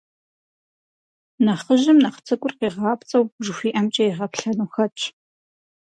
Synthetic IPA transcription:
nɐχəʒɪmnɐχt͡sʰɨkʷʼʊrqiːʁɑːpt͡sʼɐwʒɨxʷiːʔɐmt͡ʃʼɐiʁɐpɬɐnuxɐt͡ʃʼʰ

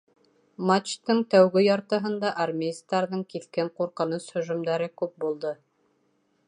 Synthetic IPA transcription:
mat͡ʃt̪ɤɴt̪æwɡɘjɑɾt̪ɤ̆ɦɤ̆nd̪ɑʔaɾmʲest̪ɑɾðɤɴkiθkæɴquɾqɤ̆nɤshɵ̆ʒŭmd̪æɾɘkʉp̚bulˠd̪ɤ

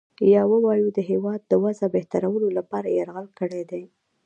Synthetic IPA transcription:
jɑwəwɑjud̪əɦewɑd̪ːəwazabeht̪aɾawəlolapɑɾajaɾɣəlkəɽed̪e

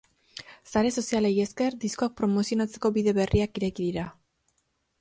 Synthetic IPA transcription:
saɾe̞so̞siale̞je̞ske̞ɾd̪isko̞ak̚pɾo̞mo̞sionat͡se̞̥ko̞βiðe̞βe̞riakiɾe̞kiðiɾa

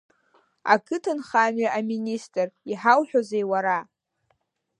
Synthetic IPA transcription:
a̰kʰɨtʰɨnχanɥaʔaministʼriħawħᶣozejwaɾa

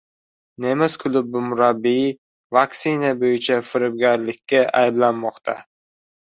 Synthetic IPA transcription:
ne̞mɪzkʰʊlˠʊb̚ːʊmʊɾabːi | vaksɪnabojɪt͡ʃʰafɪɾɪb̚ɡʲaɾlɪkʲʰːaʔa̰jɪblanmɒqt̪ʰa̰

